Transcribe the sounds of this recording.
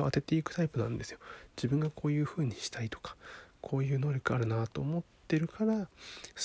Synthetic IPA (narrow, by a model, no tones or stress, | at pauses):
at̪e̞t̪e̞ikɯ̟t̪aipɯ̟nã̰nd̪e̞sɨ̥jo̞d͡ʑibɯ̟̃ŋɡako̞ːjɯ̟ːɸɯ̟ːɲ̟iɕi̥t̪ait̪o̥kḁkʰo̞ːjɯ̟ːno̞ːɾʲo̞kɯ̟aɾɯ̟nat̪o̞ːmo̞tt̪ːe̞ɾɯ̟kʰaɾa